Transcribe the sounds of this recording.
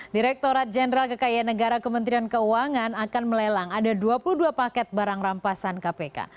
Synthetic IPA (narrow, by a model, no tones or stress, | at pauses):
diɾɛk̚t̪oɾat̪̚d͡ʒɛnəɾalkəkajanəɡaɾakəmənt̪ɾiankəuaŋanakanməlɛlaŋadaduapuluduapakɛt̪̚baɾaŋrampasankapeka̰